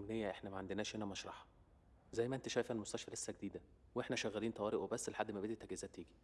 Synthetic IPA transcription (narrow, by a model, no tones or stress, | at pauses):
mnejːæʔeħnæmæʕend̪enæːʃhenæmæʃɾˤɑ̰ħɑ̥ | zæjːmæʔent̪æʃæjfælmost̪æʃfælesːæɡed̪iːd̪æweeħnæʃæɣːæliːnt̪ˤɑwæːɾeʔwebæsːleħad̪ːmæbed̪it̪ːæɡezæːt̪ːiːɡi